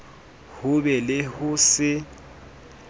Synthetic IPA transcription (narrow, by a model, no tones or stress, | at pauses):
hʊbɛlɪhʊsɪ